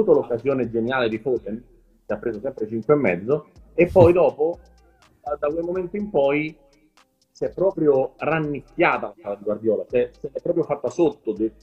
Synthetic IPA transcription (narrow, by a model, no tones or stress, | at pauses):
uːt̪olokːazjoːned͡ʒenjaːled̪ifot̪en | k̟eapːɾeːzosɛmpɾet͡ʃiŋkweemːɛ̰d̪zːoepːɔjd̪ɔːpo | d̪akwejmoment̪oimpɔj | sɛpːɾɔːpɾjoranːikːjaːt̪alasaːlad̪iɡward̪jɔːlat͡ʃɛseɛpːɾɔːpɾjofat̪ːasot̪ːod̪e